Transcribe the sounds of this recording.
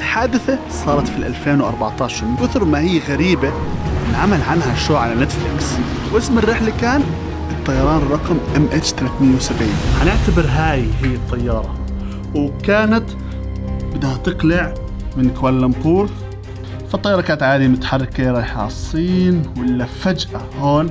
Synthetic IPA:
ħaːd̪ɪθa | sˤɑːɾˤɑt̪filʔalfeːnwʔɑ̰ɾˤbaʕt̪ɑːʃɑɾˤmɪnkʊθɾmahɪjːɣaɾiːbanʕamalʕanhaʃoːʕalanat̪flɪks | wʔɪsmɪrːɪħlakaːn | ɨt̪ˤːɑjɑɾˤɑːnrˤːɑqmʔɪmʔet͡ʃt̪alaθmɪjːawsabʕiːnħanɪʕt̪abɪɾɦaːjhɪjːɪt̪ˤːɑjːɑːɾˤɑ | wkaːnat̪ | bɪd̪hat̪ɨqlɪʕ | mɪnkwalːamq̪uːl | fɑt̪ˤːɑjːɑɾˤɑkaːt̪ʕaːd̪imʊt̪ḁħɑrˤːɪkːeːɾˤɑjħɑ̰ːsˤːiːnwɪlːafad͡ʒʔa | hoːn

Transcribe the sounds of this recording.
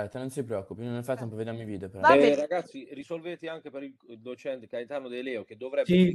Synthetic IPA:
ɛt̪enont̪ipɾeɔkːupinonːefajt̪ːɛmpoved̪amːiviːd̪eopeɾɔraɡat̪sːirisolvet̪iaŋk̟epeɾilld̪ot͡ʃɛnt̪ekajnt̪anod̪ejlɛok̟ed̪ːovɾɛbsi

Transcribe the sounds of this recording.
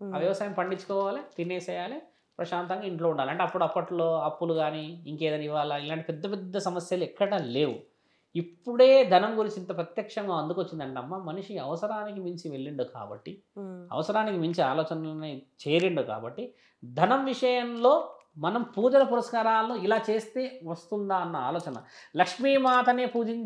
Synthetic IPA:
aːʋjɐʋɐsaːjɐmpɐɳɖit͡ʃːu̥kɔːʋaːlit̪inːeːt͡ʃɛːjaːli | pɾɐʃaːnt̪ɐŋɡaːiɳʈlo̞ːuɳɖaːlɐɳʈeɐpːuɽɐpːɐʈlo̞ːɐpːuluɡaːniiŋkɛːd̪ɐniʋaːlɐilaːɳʈipɛd̪ːɐpɛd̪ːɐsɐmɐsjɐluɛkːɐɽaːle̞ːʋu | ipːuɽe̞ːd̪ʱɐnɐmɡuɾit͡ʃint̪ɐpɾɐt̪jɐkʂɐŋɡaːɐnd̪ukʋot͡ʃːind̪ɐɳʈeɐmːaːmɐniʂiɐʋɐsɐɾaːnik̬imiɲt͡ʃiʋe̞ɭːiɳɖuka̰ːbɐ̰ʈːi | ɐ̰ʋɐsɐɾaːnikimiɲt͡ʃiaːlɔːt͡ʃɐnnit͡ʃeːɾiɳɖuka̰ːbɐʈːi | d̪ʱɐnɐmʋiʂɐjɐmlo̞ː | mɐnɐmpuːd͡ʒɐlɐpuɾɐskaːɾaːlːoːilaːt͡ʃe̞ːst̪e̞ːʋɐst̪und̪aːɐnːɐa̰ːlɔːt͡ʃɐnɐ̰lɐkʂmiːmaːt̪ʰɐneːpuːd͡ʒiɲ

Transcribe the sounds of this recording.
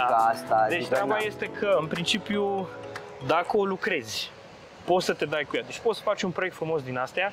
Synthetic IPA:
ast̪ad̪et͡ʃt̪ɾabaje̞st̪e̞kʰəɨnpɾint͡ʃipju | d̪akəo̞lukɾe̞zʲ | po̞t̪sət̪e̞d̪ajkujad̪e̞t͡ʃʲpo̞t̪sə̥fat͡ʃʲunpɾoekt̪fɾumo̞s̬d̪inast̪ea

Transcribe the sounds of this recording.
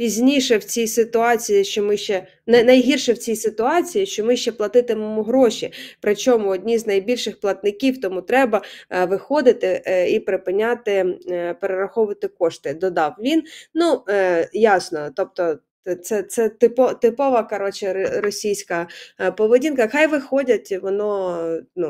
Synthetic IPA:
pʲizʲnʲiʃɛwt͡sʲijsɪt̪ʊɑt͡sʲijiʃt͡ʃɔmɪʃt͡ʃɛ | nɛnɐjɦirʃɛwt͡sʲijsɪt̪ʊɑt͡sʲijiʃt͡ʃɔmɪʃt͡ʃɛplˠɐt̪ɪt̪ɪmemʊɦɾɔʃʲipɾɪt͡ʃɔmʊɔdʲnʲiznɐjbʲilʲʃɪxplˠɐt̪nɪkʲiwt̪ɔmut̪ɾɛbɐʋɪxɔd̪ɪt̪ɪipɾɪpɪnʲat̪ɪpeɾeɾɐxɔʋʊʋɐt̪ɪkɔʃt̪ɪd̪ɔd̪ɑwʋʲinnujɑsnɔt̪ɔp̚t̪ɔ | t̪sɛt̪sɛt̪ɪpɔt̪ɪpɔʋɐkɐɾɔt͡ʃɪɾɔsʲijsʲkɐpɔʋedʲinkɐxɑjʋɪxɔdʲɐtʲʋɔnɔnu

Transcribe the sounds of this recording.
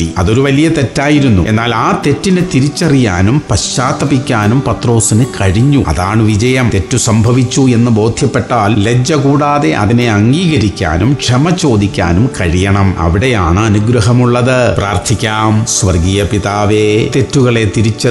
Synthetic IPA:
iɐðo̞ɾuʋɐlijɐt̪e̞tːaːjiɾunːṵʔenːaːlaːt̪e̞tːinɨt̪iɾit͡ɕːɐrijaːnumpɐɕaːt̪ɐbikʲːaːnumpɐt̪ro̞ːsinɨkɐɻiɲːuɐ̰ðaːɳɨʋid͡ʑɐjɐmt̪e̞tːusɐmbʱɐʋit͡ɕːue̞nːɨbo̞ːd̪ʱjɐpːe̞ʈːaːlled͡ʑɐkuːɽaːðe̞ʔɐ̰ðine̞ɐŋɡiːɣɐɾikʲːa̰ːnumʂɐmɐt͡ɕo̞ːd̪ikʲːa̰ːnumkɐɻijɐɳɐmɐ̰ʋiɽe̞jaːɳɨɐnuɡɾɐɦɐmuɭːɐðɨpraːrt̪ʰikʲːaːmsʋɐrɡiːjɐpiðaːʋeːt̪e̞tːuɣɐɭe̞t̪iɾit͡ɕːɐ

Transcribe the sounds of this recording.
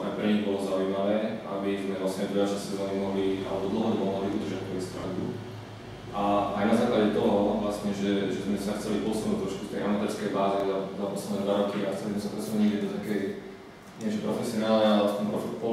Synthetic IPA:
a̰jpɾɛɲiɣbɔlɔzaʊjmaʋɛːa̰bizmɛvlasɲɛd̪ʋiat͡ʃasɛzamimɔɦlia̰lɛbɔd̪l̩ˠɦɔmimɔɦlɔbiʔud̪r̩ʒatpɾɔbɛsp̪ɾa̰d̪u | ʔaajnazaːklaɟɛt̪ɔɦɔʋlasɲɛʒɛʒɛt̪ambɛsaxt͡sɛlipɔsunuːc̚t̪ɾɔʃku̥t̪ɛ̰jʔamat̪ɛɾskɛjbaːziaapɔslɛd̪nɛd̪ʋaɾɔkiaxt͡sɛlizmɛsapɾɛsunuɲɲɛjɛd̪nt̪akɛj | ɲɛt͡ʃɛpɾɔfɛsiɔnaːlɲɛalɛst̪ɔmpɾɔpɔ

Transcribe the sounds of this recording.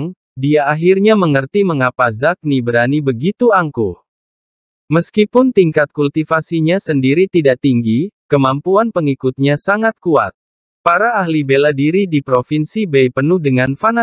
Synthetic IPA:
ŋ | diaːɦirɲaməŋərt̪iməŋapazak̚nibɾanibəɡit̪uaŋku | məskipʊnt̪iŋkat̪̚kult̪ifasiɲasəndiɾit̪idaʔt̪iŋɡikəmampuanpəŋikʊt̪̚ɲasaŋat̪̚kua̰t̪̚ | paɾaːɦlibeladiɾidipɾofinsibəjpənʊhdəŋanfana

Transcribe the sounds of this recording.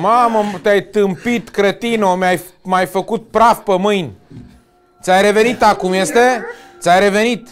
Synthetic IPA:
mamət̪eajt̪ɨmpit̪kɾət̪inomaj | majfəkut̪̚pɾafpəmɨjnʲ | t̪sʲajɾe̞ve̞nit̪akumjest̪et̪sʲajɾe̞ve̞nit̪

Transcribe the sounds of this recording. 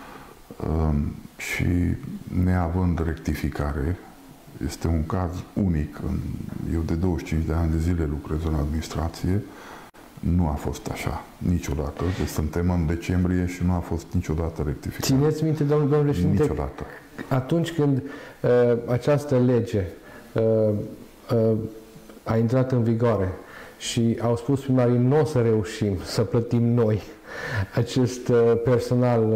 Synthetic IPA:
əʃḭne̞avɨnd̪re̞k̚t̪ifikaɾe̞ | je̞̰st̪e̞uŋkazunikʰɨ̰nje̞wd̪e̞d̪o̞wəʃt͡ʃint͡ʃd̪eanʲd̪e̞zile̞lukɾezɨnad̪minist̪ɾat̪sije̞ | nuafo̞̰st̪a̰ʃa̰ | nit͡ʃo̞d̪at̪əsɨnt̪e̞mɨnd̪e̞t͡ʃe̞mbɾije̞ʃinuafo̞st̪nit͡ʃo̞d̪at̪əɾe̞k̚t̪ifiksinet̪sʲmint̪ed̪omnəd̪omnpeseinit͡ʃo̞d̪a̰t̪ə | at̪unt͡ʃʲkɨnd̪əat͡ʃast̪əle̞d͡ʒe̞ | ə | ə | aint̪ɾat̪ɨnviɡoaɾe̞ʃiawspuspɾimaɾinosəɾe̞uʃimsəplət̪imno̞j | at͡ʃe̞st̪pe̞rso̞nal

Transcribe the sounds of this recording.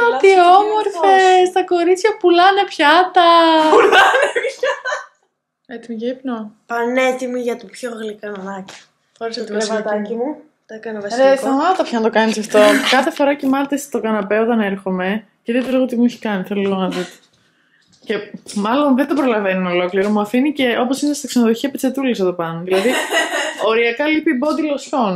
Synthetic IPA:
ot̪iomoɾfest̪ɐko̞ɾit͡sçɐpulɐne̞pçɐt̪ɐuɐne | et̪imiʝeipnopɐnet̪imiʝɐt̪upçoɣlikɐnɐci̥ | oɾist̪t̪ɐcimu | t̪ekɐnɐvɐeθɐmɐt̪ɐpçɐnɐt̪o̞kɐnisɐft̪o̞kɐθe̞fo̞ɾɐcimɐɾt̪est̪o̞kɐnɐpeo̞t̪ɐne̞ɾxo̞me̞ | cɾit̪eliɣo̞t̪imueçi̥kɐniθeloloɣonɐt̪ot̪o̥ | ce̞mɐlo̞nðed̪opɾo̞lɐve̞nuno̞lo̞kliɾo̞muɐfinice̞o̞po̞sinest̪iksenoðo̞çiɐpet͡set̪uleseðopɐnoðilɐði | o̞ɾiɐkɐlipiːbo̞d̪ilo̞sço̞n

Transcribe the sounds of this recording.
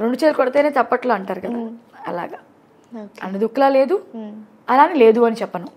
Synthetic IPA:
ɾeɳɖut͡ʃelukɔɽɐt̪eneːt̪ɐpːɐʈloːɐɳʈaːɾukɐd̪aː | ɐla̰ːɡaː | ɐnːid̪ukːlaːle̞ːd̪u | ɐlaːnile̞ːd̪uɐnit͡ʃɛpːɐnu

